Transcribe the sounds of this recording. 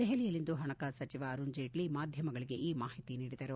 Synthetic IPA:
d̪ɛɦelijɐlːind̪uɦɐɳɐkasɐt͡ʃiʋaɐɾund͡ʒeːʈlimaːd̪ʱjɐmɐɡɐɭiɡe̞ʔiːmaːhit̪iniːɽid̪ɐɾu

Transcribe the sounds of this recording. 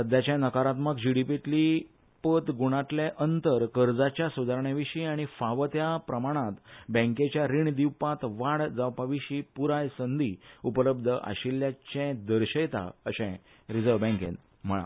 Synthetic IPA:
səd̪ʱjat͡ɕjãnəkaɾat̪məkd͡ʑiɽipit̪li | pət̪ɡuɽ̃at̪ljeʔənt̪əɾkəɾd͡zat͡ɕjasud̪ʱaɾɳjaʋiɕiaɽ̃ifaʋət̪japɾəmaɽ̃ãt̪bə̃ket͡ɕjaɾiɳd̪iwpãt̪ʋaɽd͡zawpaʋiɕiːpuɾajsənd̪ʱiupləb̚d̪ʱəʔa̰ɕiljat͡ɕɛ̃d̪əɾɕəjt̪a̰əɕɛ̃ | ɾid͡zəɾʋbɛ̃ŋkḛ̃n | m̤əɭa̰

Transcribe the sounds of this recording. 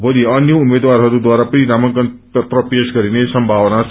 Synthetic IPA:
bʱoliʌnjʌumed̪warɦʌɾud̪waɾapʌniɾamʌnkʌn | ʌt̪rʌpesɡʌɾinesʌmbʱawʌna

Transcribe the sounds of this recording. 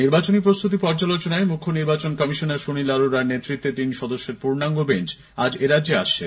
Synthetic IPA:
niɾbat͡ɕonipɾost̪ʰut̪̬ipɔɾd͡ʑalot͡ɕonaemukʰːoniɾbat͡ɕonkɔmiʃonaɾʃonilaɾoɾaɾnet̪ːɾit̪ːet̪inʃɔd̪oʃːeɾpuɾnaŋɡobent͡ɕ | ad͡ʑeɾadd͡ʑeaʃt͡ɕʰe

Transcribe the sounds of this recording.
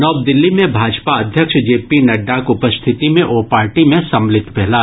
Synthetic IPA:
nɔːbd̪ɪlːimẽbʱaːd͡ʒpaɐd̪ʱjəkʃd͡ʒeːpinɐɖːakʊpəst̪ʰɪt̪imẽʔoːpaːɾʈimẽsɐmlɪt̪bɛɦlaː

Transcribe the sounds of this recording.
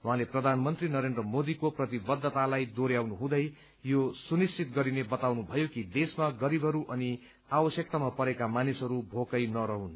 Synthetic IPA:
ũɦãleprʌd̪ʱanmʌnt̪rinʌɾend̪rʌmod̪ikoprʌt̪ibʌd̪ːʌt̪alajd̪oɾjawnuɦũd̪ʌj | josunist͡ʃit̪̚ɡʌɾinebʌt̪awnubʱʌjokid̪esmaɡʌɾibʱʌɾuʔʌni | abʌsjʌk̚t̪amapʌɾekamanisʌɾubʱokʌjnʌɾʌɦun

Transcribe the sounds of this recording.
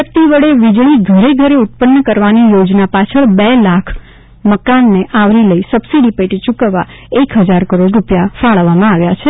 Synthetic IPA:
ət̪iʋəɭeʋid͡ʒɭiɡʱəɾeɡʱəɾeut̪̚pənːəkəɾʋanijod͡ʒnapat͡ʃʰəɭbelakʰ | məkanːeʔaʋɾiləisəbsiɽipəʈit͡ʃukəʋːa | ekɦəd͡ʒaɾkəɾoɖɾupjafaɭʋamãaʋjat͡ʃʰe

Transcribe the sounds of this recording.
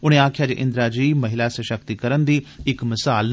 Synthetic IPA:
ʊɽ̃eaːkʰjad͡ʑeːʔɪ̃nd̪ɾad͡ʑiːmɐɦɪlasəʃək̚t̪ikɐɾənd̪iːɪkmɪsaːl

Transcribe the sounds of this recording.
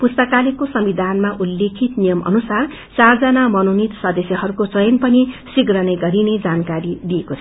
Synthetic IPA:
pust̪ʌkalekosʌmbid̪ʱanmaʔulːekʰit̪nijʌmʔʌ̰nusar | t͡sard͡zʌnamʌnonit̪sʌd̪ʌsjʌɦʌɾukot͡sʌjʌnpʌnisiɡrʌnʌjɡʌɾined͡zankaɾid̪ijeko

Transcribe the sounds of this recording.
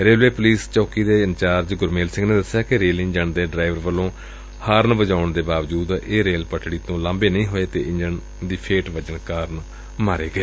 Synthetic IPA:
ɾeːlʋeːpʊliːst͡ʃɔːkiːd̪eːənt͡ʃaːɾd͡ʒɡʊɾmeːlsɪ̃ŋɡneːd̪əsjaːkɪɾeːlɪ̃ɲd͡ʒəɳd̪eːɖɾaːɪʋəɾʋəlːõː | haːɾnʋəd͡ʒaːʊɳd̪eːbaːʋd͡ʒuːd̪eːɾeːlpəʈʰɽiːt̪õːlãːmbeːnəĩːɦoːeːt̪eːʔɪ̃ɲd͡ʒən | d̪iːpʰeːʈʋəd͡ʒənkaːɾn | maːɾeːɡəeː

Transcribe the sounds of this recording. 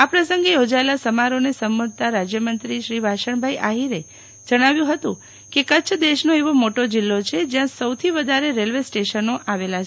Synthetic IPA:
apɾəsəŋɡejod͡ʒaelasəmaɾonesəmːud̪̚ʱt̪aɾad͡ʒjəmənt̪ɾiʃɾibʱaʃəɳbʱaiʔaɦiɾe | d͡ʒəɽ̃aʋjũɦət̪ũ | kekət͡ʃʰd̪eʃnoeʋomoʈod͡ʒɪlːot͡ʃʰed͡ʒjãsəwt̪ʰiʋəd̪ʱaɾeɾelʋesʈeʃənoʔaʋelat͡ʃʰe

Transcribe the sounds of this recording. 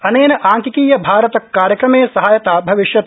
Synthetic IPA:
ɐneːnɐʔaːŋkikiːjɐbʱaːɾɐt̪ɐkːaːɾjɐkɾɐmeːsɐɦaːjɐt̪aːbʱɐʋiʃjɐt̪

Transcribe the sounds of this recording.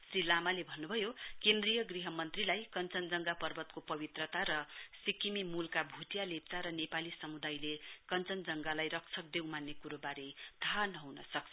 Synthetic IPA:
srilamalebʱʌnːubʱʌjokẽnd̪rijʌɡriɦʌmʌnt̪rilajkʌnt͡sʌnd͡zʌŋɡapʌrbʱʌt̪kopʌbit̪rʌt̪aɾʌsikimimulkabʱuʈjalep̚t͡saɾʌnepalisʌmud̪ajlekʌnt͡sʌnd͡zʌŋɡalajrʌk̚t͡sʰʌk̚d̪ewmanːekuɾobaɾet̪ʰaɦanʌɦunʌsʌkt͡sʰʌ

